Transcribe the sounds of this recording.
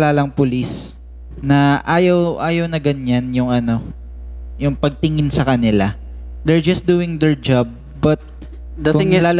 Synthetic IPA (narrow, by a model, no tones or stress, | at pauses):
laːlɐŋpʊlis | nɐʔaːjɐwʔaːjɐwnɐɡɐɲːanjʊŋɐno̞ | jʊŋpɐɡ̚t̪ɪŋɪnsɐkɐnɪla | d̪ɛɹd͡ʒɐst̚d̪uːɪŋd̪ɛɹd͡ʒab̚ːɐt̪̚ | d̪ɐkʊŋlaːl